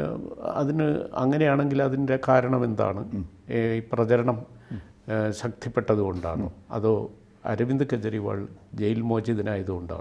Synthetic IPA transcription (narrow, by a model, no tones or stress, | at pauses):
ɐ̰ðinɨɐ̰ŋːɐne̞jaːɳe̞ŋɡilɐðinde̞kaːɾɐɳɐme̞nd̪a̰ːɳɨ | iprɐt͡ɕɐɾɐɳɐm | ɕɐk̚t̪ʰipːe̞ʈːɐðuɣo̞ɳɖa̰ːɳo̰ːɐ̰ðoː | ɐ̰ɾɐʋind̪ɨkɐt͡ɕːɐɾiʋa̰ːɭd͡ʑejilmo̞ːd͡ʑiɐðinaːjɐðuɣo̞ɳɖa̰ːɳ